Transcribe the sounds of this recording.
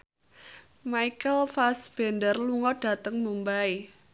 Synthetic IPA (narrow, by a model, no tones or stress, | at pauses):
maikəlfasb̥ɛndərluŋɔɖ̥a̤t̪əŋmumbai